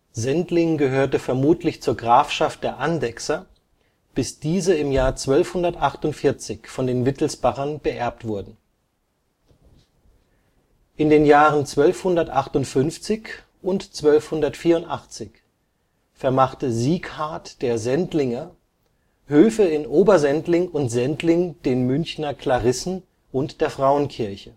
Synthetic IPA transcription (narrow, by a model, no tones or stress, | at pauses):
zɛntlɪŋɡəɦøːɐtəfɛɐmuːtʰlɪçt͡suːɐɡʁaːfʃaft̚d̥eːɐʔandɛksɐ | b̥ɪsd̥iːzəɪmjaːɐt͡sv̥œlfhʊndɐtʔaχtʊntfɪɐt͡sɪçfɔndeːnvɪtʰl̩sb̥aχɐnb̥əʔɛɐp̚tv̥ʊɐdn̩ | ʔɪndeːnjaːʁənt͡sv̥œlfhʊndɐtʔaχtʊntfʏnft͡sɪç | ʔʊntt͡sv̥œlfhʊndɐtfiːɐʊntʔaχt͡sɪç | fɛɐmaχtəziːkhaɐtd̥eːɐzɛntlɪŋə | høːfəɪnʔoːbɐzɛntlɪŋʊntz̥ɛntʰlɪŋd̥eːnmʏnçnɐkʰl̥aʁɪsn̩ | ʔʊntd̥eːɐfʁ̥aʊənkʰɪɐçə